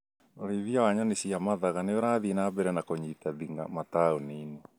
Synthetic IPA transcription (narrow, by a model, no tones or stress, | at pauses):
oɾeðiawaɲanesiamaðaɣaneoɾaðinabɛɾɛnakoɲitaðiŋɡa̰mataoniːne